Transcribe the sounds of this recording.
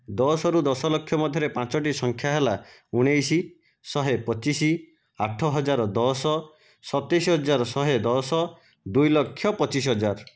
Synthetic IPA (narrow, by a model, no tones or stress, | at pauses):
d̪ɔsɔɾud̪ɔsɔlɔkʰːjɔmɔd̪ʱjɔɾepãt͡ʃɔʈisɔŋkʰjaɦelauɽ̃ejsi | sɔɦepɔt͡ʃisi | aʈʰɔɦɔd͡ʒaɾɔd̪ɔsɔ | sɔt̪esiɦɔd͡ʒaɾɔsɔɦed̪ɔsɔ | d̪ujlɔkʰːjɔpɔt͡ʃis̬ɦɔd͡ʒaɾ